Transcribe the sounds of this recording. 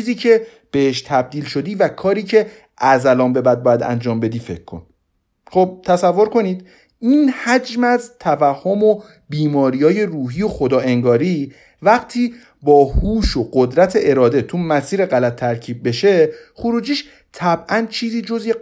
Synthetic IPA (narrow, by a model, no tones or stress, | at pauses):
iːziːcʰe̞ | b̥eeʃt̪ʰæb̚d̪iːlʃo̞d̪iːvækʰɒːɾiːcʰe̞ | ʔæzælɒːmbe̞bæd̪̚bɒːjæd̪æ̰nd͡ʒɒːmbe̞d̪iːfe̞̰cʰkʰo̰n | χob̥̚t̪ʰæsævːo̞ɾko̞niːd̪̚ | iːnhæd͡ʒmæzt̪ʰævæhːomo | biːmɒːɾiːjɒːje̞ruːɦiːjo̞xo̞d̪ɒːʔe̞ŋɡɒːɾiː | væɣt̪ʰiː | bɒːhuːʃo̞ɢod̪ɾæt̪ʰe̞ʔeɾɒːd̪et̪ʰumæsiːɾeɣælæt̪ʰːæɾcʰiːb̚ːe̞ʃe̞χuɾuːd͡ʒiːʃ | t̪ʰæbʔænt͡ʃʰiːziːd͡ʒozje